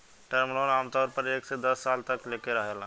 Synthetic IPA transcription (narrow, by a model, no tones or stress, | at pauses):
ʈəɾmnonaːmt̪ɔːɾpəɾeːksed̪ɐsːaːlt̪əklekeɾəɦjəl